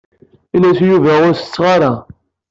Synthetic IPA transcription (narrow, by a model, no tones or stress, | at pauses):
inæsjuvæʊɾsə̥t͡sːʁaɾˤa